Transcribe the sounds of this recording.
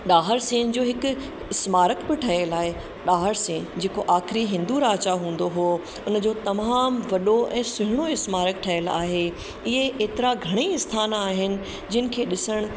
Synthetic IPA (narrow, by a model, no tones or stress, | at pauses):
ɗaːɦəɾsẽːn̆d͡ʑoːɦɪkʊ̆ | ɪsmaːɾəkbɪʈʰɐəlaːɦe | ɗaːɦəɾsẽːnd͡ʑeːkoʔaːxɪɾiɦɪ̃nd̪uɾaːt͡ɕaɦũːn̆d̪oɦoː | ʊn̆d͡ʑoːt̪ɐmaːmʋɐɗoʔɛ̃ːsʊɦɪɽ̃oɪsmaːɾəkʈʰɐjəla̰ːɦe | ɪɦeʔeːt̪ɪɾaɡʱɐɽ̃iɪst̪ʰaːnaːɦɪnɪ̆ | d͡ʑɪnɪ̆kʰeːɗɪsəɽ̃